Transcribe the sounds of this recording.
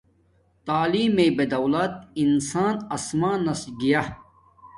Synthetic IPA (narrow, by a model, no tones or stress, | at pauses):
t̪aːliːmeːbed̪ɐwlɐt̪̚insaːnɐsmaːnɐslɡija